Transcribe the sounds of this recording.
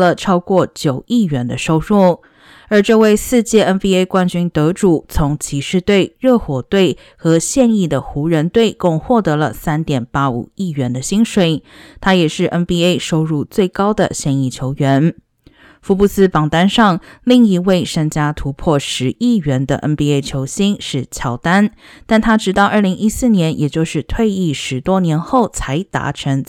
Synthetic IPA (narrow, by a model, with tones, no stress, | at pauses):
lə˧ʈ͡ʂʰɑ˥ʊkwɔ˥˩t͡ɕjo˨˩ʊi˥˩ɥɛ˧˥nd̪ə˧ʂo˥ʊɻu˥˩ | ə˞˧˥ʈ͡ʂɤ˥˧we˥˧ɪsɹ̩˥˧t͡ɕjɛ˥˩ɛ˥nbi˥e˥ɪkwa˥nt͡ɕy˥nt̪ɤ˧˥ʈ͡ʂu˨˩t͡sʰʊ˧˥ŋt͡ɕʰi˧˥ʂɻ̩˥˧t̪we˥˧ɪɻɤ˥˩xwɔ˨˩t̪we˥˩ɪ | xɤ˧˥ɕjɛ˥˧ni˥˩d̪ə˩xu˧˥ɻə˧˥nt̪we˥˩ɪkʊ˥˧ŋxwɔ˥˩t̪ɤ˧˥lə̰˧sa˥nt̪jɛ˨˩npa˥ṵ˨˩i˥˩ɥɛ˧˥nd̪ə˧ɕi˥ŋʂwe˨˩ɪt̪ʰa˥jɛ˨˩ʂɻ̩˥˩ʔə˥nbi˥e˥˩ɪʂo˥ʊɻu˥˧t͡swe˥˩ɪkɑ˥ʊd̪ə̰˨ɕjɛ˥˧ni˥˩t͡ɕʰjo˧˥ʊɥɛ˧˥n | fu˧˥pu˥˩sɹ̩˥pɑ˨˩ŋt̪a˥nʂɑ˥˧ŋli˥˩ŋi˧˥we˥˩ɪʂə˥ŋt͡ɕja˥t̪ʰu˧˥pʰwɔ˥˩ʂɻ̩˧˥i˥˩ɥɛ˧˥nd̪ə̰˧ʔə˥npi˥e˥ɪt͡ɕʰjo˧˥ʊɕi˥ŋʂɻ̩˥˩t͡ɕʰjɑ˧˥ʊt̪a˥n | t̪a˥˩nt̪ʰa˥ʈ͡ʂɻ̩˧˥t̪ɑ˥˩ʊʔə˞˥˩li˧˥ŋi˥sɹ̩˥˩njɛ˧˥njɛ˨˩t͡ɕjo˥˧ʊʂɻ̩˥˧t̪ʰwe˥˧ɪi˥˩ʂɻ̩˧˥t̪wɔ˥njɛ˧˥nxo˥˩ʊt͡sʰa˧˥ɪt̪a̰˧˥ʈ͡ʂʰə˧˥ŋ